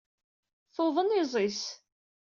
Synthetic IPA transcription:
θoðˤənɪzˤis

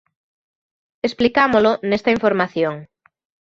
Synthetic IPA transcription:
esplikamolonest̪ɐiɱfoɾmaθjoŋ

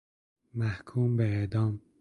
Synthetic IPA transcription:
mæhkʰuːmbeed̪ɒːm

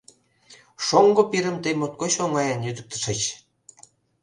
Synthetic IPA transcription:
ʃoŋɡŏpiɾə̆mt̪əjmot̪̚koɕoŋɑjɑnjyd̪ə̆k̚t̪ə̥̆ʃə̆t͡ɕ

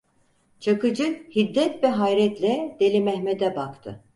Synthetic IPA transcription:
t͡ʃʰakɯd͡ʒɯhid̪ːɛt̪vɛɦajɾɛt̪lʲɛd̪e̞lʲimɛhmed̪ɛbakt̪ʰɯ̰

